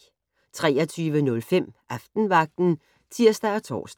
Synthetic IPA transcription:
t͡sʰʁɛːɐt͡sʰyːʋənɔ̽lfem̰ʔɑfd̥n̩ʋɑ̈ɡ̥̚d̥n̩ | t͡sʰiɐ̰sd̥æɒt͡sʰɒ̰ːs

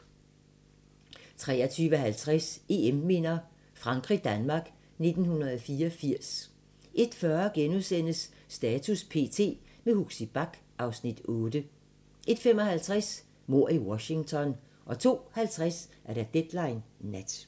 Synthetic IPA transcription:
t͡sʰʁɛ̰ːɐt͡sʰyːʋəhælt͡sʰʁæse̝emːe̝n̰ɐ | fʁɑ̈ŋɡ̥ʁid̥ænmɑ̈ːɡ̥ | ne̝d̥n̩hunɐðˠfiːɒfiɐ̰s | ʔe̝d̥fɶɐɡ̥enuðˠsen̰əsː | d̥ɛːt͡sʰuspʰe̝̰ːt͡sʰe̝̰ː | mehuɡ̥sib̥ɑ̈ɡ̥ | ʔɑ̈ʊsnid̥ɔ̽ːd̥ə | ʔe̝d̥fem̰ɒ̽hælt͡sʰʁas | mo̝ɐ̰iwɒ̽ɕɪ̝ŋt͡sʰɒ̽n | ʔɒ̽t͡sʰo̝̰ːhælt͡sʰʁasʔæɐɾ̥æd̥ed̥lɑ̈ɪnːæd̥

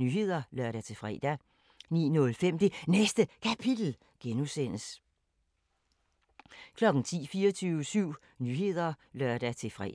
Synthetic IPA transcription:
yːɦe̝ð̰ˠɐlɶɐ̰ɾ̥æt͡sʰe̝fʁɛ̰d̥æ | nḭːnɔ̽lfem̰d̥e̝nesd̥əkʰæpʰid̥l̩ | ɡ̥enusen̰əs | kʰlɒ̽ɡ̥n̩t͡sʰḭːfiːɐt͡sʰyːʊəsyʊ̰ | nyːɦe̝ð̞̰ˠɐlɶɐ̰d̥æt͡sʰe̝fʁɛ̰

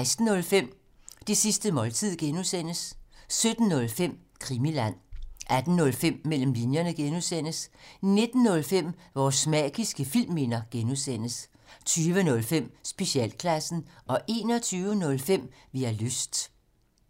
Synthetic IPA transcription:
ɪsd̥n̩ːɔ̽lfem̰ | d̥isisd̥əmɒ̽lt͡sʰið̰ˠɡ̥enusen̰əssød̥n̩ːɔ̽lfem̰ | kʰʁimilæn̰ʔæd̥n̩ːɔ̽lfem̰mel̰m̩linjɐnəɡ̥enusen̰əsne̝d̥n̩ːɔ̽lfem̰ʋɒsmɛ̰ːɡ̥isɡ̥əfil̰mːe̝nɐɡ̥enusen̰əs | t͡sʰyːʋənɔ̽lfem̰sb̥e̝ɕiɛ̰lkʰlæsn̩ʔɒ̽ʔe̝ːnɒ̽t͡sʰyːʊənɔ̽lfem̰ | ʋiæløsd̥

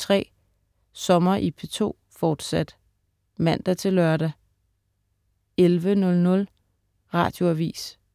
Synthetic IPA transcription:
t͡sʰʁɛ̰ː | sɒ̽mɐʔipʰet͡sʰo̝̰ː | fɒːd̥sæd̥ | mæn̰d̥æt͡sʰe̝lːɶɐɾ̥æ | elʋənɔ̽lnɔ̽l | ʁɑ̰̈ːd̥jo̝æʋḭːs

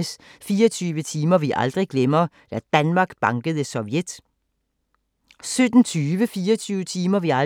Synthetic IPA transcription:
əsfiːɐt͡sʰyːʋət͡sʰiːmɐʋiʔɑ̰ld̥ʁiɡ̥lemɐ | d̪̥æd̥ænmɑ̈ːɡ̥b̥ɑ̈ŋɡ̥əðˠəsɔʋjed̥ | sød̥n̩t͡sʰyːʋəfiːɐt͡sʰyːʋət͡sʰiːmɐʋiɑ

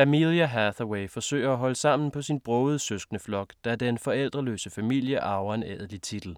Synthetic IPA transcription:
æmiliæɦæθɐweɪfɒ̽sø̰ːɪɐæɦɒ̽ləsɑ̈m̰n̩pʰɒ̽sinb̥ʁɔːʊð̩ˠsøsɡ̥nəflɒ̽ɡ̥d̥ɑæɐd̥enfɒ̽el̰d̥ʁɐlø̰ːsəfæmil̰jəʔɑ̈ʊɐeneðˠlit͡sʰid̥l̩

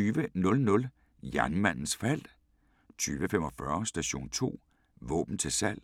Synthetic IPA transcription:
yːʋənɔ̽lnɔ̽l | jæɐnmæn̰n̩sfæl̰d̥ | t͡sʰyːʋəfem̰ɒ̽fɶɐsd̥æɕo̝̰ːnt͡sʰo̝̰ː | ʋɔ̰ːb̥n̩t͡sʰe̝lsæl̰

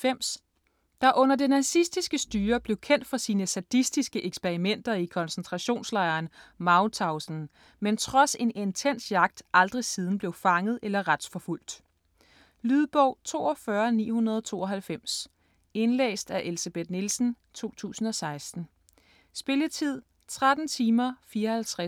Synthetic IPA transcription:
em̰s | d̥ɑ̈ʔɔ̽n̰ɐd̥e̝næsisd̥isɡ̥əsd̥yːɐb̥le̝ʊkʰen̰d̥fɒsiːnəsæd̥isd̥isɡ̥əʔeɡ̥sb̥e̝ʁimen̰d̥ɐikʰɒ̽nsent͡sʰʁɑ̈ɕo̝̰ːnslɑ̈ɪɐːnmɑ̈ʊt͡sʰɑ̈ʊsn̩ | ment͡sʰʁɒ̽se̝ne̝nt͡sʰen̰sjɑ̈ɡ̥̚d̥ʔɑ̈ld̥ʁisiːð̞ˠn̩b̥le̝ʊfɑ̈ŋəð̞̩ˠelɐʁad̥sfɒ̽ful̰d̥ | lyðˠb̥ɒʊ̰t͡sʰo̝̰ːɒfɶːɐnḭːhunɐð̞ˠɒt͡sʰo̝̰ːɒ̽ɦælfem̰s | e̝nlḛːsd̥æʔe̝lisæb̥ed̥nilsn̩ | t͡sʰo̝̰ːt͡sʰṵːsn̩ɒ̽sɑ̈ɪsd̥n̩ | sb̥e̝lət͡sʰið̞̰ˠ | t͡sʰʁad̥n̩t͡sʰiːmɐfiːɐhælt͡sʰʁɛ

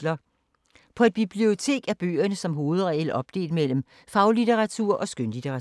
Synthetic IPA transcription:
lɐ | pʰɒ̽e̝d̥̚b̥ib̥lio̝t͡sʰe̝̰ːɡ̥æb̥ø̰ːɐnəsɒ̽mɦo̝ːð̞̩ˠʁɛl̥ɒ̽b̥̚d̥e̝̰ːld̥mel̰m̩ | fɑ̈ʊlit͡sʰeʁɑ̈t͡sʰuɐ̰ʔɒ̽sɡ̥ønlit͡sʰeʁɑ

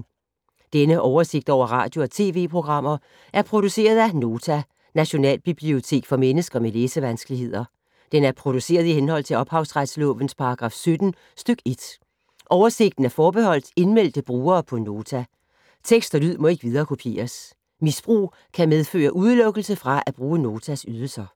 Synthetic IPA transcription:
d̥enəʔɒʊɐse̝ɡ̥̚d̥ɒʊ̰ɐʁɑ̰̈ːd̥jo̝ɒ̽t͡sʰe̝̰ːʋe̝̰ːpʰʁo̝ɡ̥ʁɑ̈m̰ɐ | ʔæɐpʰʁo̝d̥use̝̰ːɐð̞ˠæno̝ːt͡sʰæ | næɕo̝nɛ̰ːlb̥ib̥lio̝t͡sʰe̝̰ːɡ̥fɒ̽menəsɡ̥ɐmeleːsəʋænsɡ̥əliɦe̝ð̰ˠɐ | d̥enæɐpʰʁo̝d̥use̝̰ːɐð̞ˠihenhɒ̽l̰t͡sʰe̝lɒ̽b̥hɑ̈ʊsʁad̥slɔ̰̽ːʋən̩spʰɑ̈ɑ̈ɡ̥ʁɑ̈fsød̥n̩ | sd̥øɡ̥e̝d̥ | ʔɒʊɐse̝ɡ̥̚d̥n̩æɐfɒːb̥e̝ɦɒ̽l̰d̥e̝nmel̰d̥əb̥ʁuːɐːpʰɒ̽no̝ːt͡sʰæ | t͡sʰeɡ̥sd̥ɒlyð̞̰ˠmɒ̽e̝ɡ̥ʋið̞ˠɐːkʰo̝pʰe̝̰ːɐs | misb̥ʁṵː | kʰæmeð̞ˠfø̰ːɐʔuð̞ˠlɔ̽ɡ̥əl̩səfʁɑ̈ʔæb̥ʁuːəno̝ːt͡sʰæsyð̞ˠl̩sɐ

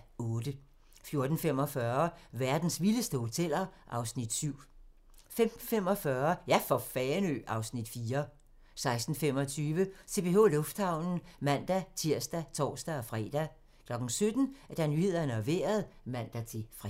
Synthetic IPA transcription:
ɔ̽ːd̥ə | fjo̝ɐd̥n̩fem̰ɒ̽fɶɐʋæɐd̥n̩sʋiləsd̥əho̝t͡sʰel̰ɐʔɑ̈ʊsnid̥syʊ̰ | fem̩fem̰ɒ̽fɶːɐjæfɒ̽fɛːnø̰ʔɑ̈ʊsnid̥fiːɐ | sɑ̈ɪsd̥n̩fem̰ɒ̽t͡sʰyːʋəse̝b̥ʰe̝o̝̰lɔ̽fd̥hɑ̈ʊ̰nn̩mæn̰d̥æt͡sʰiɐ̰sd̥æt͡sʰɒ̰ːsd̥æɒ̽fʁɛ̰d̥æ | kʰlɒ̽ɡ̥n̩sød̥n̩æɐd̥ænyhe̝ð̰ˠɐnəɒʋe̝̰ːɐð̞̩ˠmæn̰d̥æt͡sʰe̝fʁ

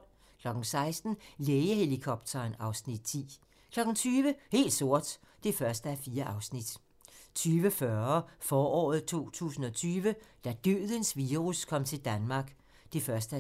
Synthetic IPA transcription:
kʰlɒ̽ɡ̥n̩sɑ̈ɪsd̥n̩leːɪəhe̝likʰɒb̥̚t͡sʰɐnɑ̈ʊsnid̥t͡sʰḭː | kʰlɒ̽ɡ̥n̩t͡sʰyːʋəhe̝̰ːld̥so̝ɐ̰d̥ | d̥e̝fɶɐsd̥əæɐfiːɐʔɑ̈ʊsnid̥ | t͡sʰyːʋəfɶɐfɒːɒ̰ːð̞̩ˠt͡sʰo̝̰ːt͡sʰṵːsn̩ɒ̽t͡sʰyːʋəd̥æd̥øːðˠənsʋiːʁuskʰɒ̽m̰t͡sʰe̝ld̥ænmɑ̈ːɡ̥ | d̥e̝fɶɐsd̥əæ

